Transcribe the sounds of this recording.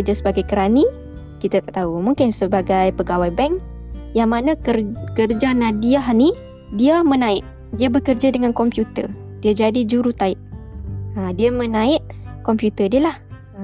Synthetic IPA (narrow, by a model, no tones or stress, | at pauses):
kərd͡ʒasəbaɡajkəɾani | kit̪at̪aʔt̪aumuŋkɪnsəbaɡajpəɡawajbɛŋ | jaŋmanãkərkərd͡ʒanãdiahni | diamə̃nãɪt̪̚ | diabəkərd͡ʒadəŋãnkɔmpjut̪ər | d̥iad͡ʒadid͡ʒuɾut̪aɪt̪̚ | adiamə̃nãɪt̪̚kɔmpjut̪ədiəlah